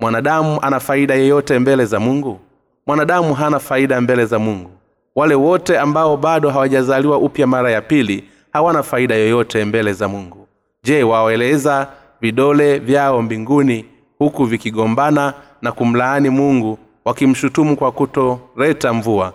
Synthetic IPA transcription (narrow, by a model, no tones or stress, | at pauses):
mwanaɗamuʔanafaiɗajɔjɔtɛmbɛlɛzamuŋɡu | mwanaɗamuɦanafaiɗambɛlɛzamuŋɡu | walɛwɔtɛambaɔɓaɗɔɦawaʄazaliwaʔupjamaɾajapili | hawanafaiɗajɔjɔtɛmbɛlɛzamuŋɡu | ʄɛwaɛlɛza | viɗɔlɛvjaɔmbiŋɡuni | hukuvikiɠɔmbana | nakum̩laːnimuŋɡu | wakim̩ʃutumukwakutɔɾɛtaɱvua